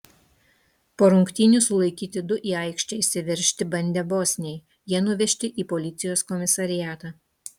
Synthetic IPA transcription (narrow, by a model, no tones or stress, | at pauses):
poːɾʊŋkt̪ʲiːnʲʊsʊlˠɐɪkʲiːt̪ʲɪd̪ʊʔiːɐˑɪkʃʲt͡ʃʲɛɪsʲɪʋʲɪɾʲʃʲt̪ʲɪbɐnʲd̪ʲɛboːsʲnʲɛɪ | jiɛnʊʋʲɛʃʲt̪ʲɪʔiːpɔlʲɪt̪sʲɪjoːskɔmʲɪsɐɾʲɪjæːt̪ɑː